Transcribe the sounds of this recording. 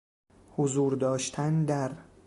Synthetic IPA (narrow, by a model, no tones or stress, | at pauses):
hozuːɾd̪ɒːʃt̪ʰænd̪æɾ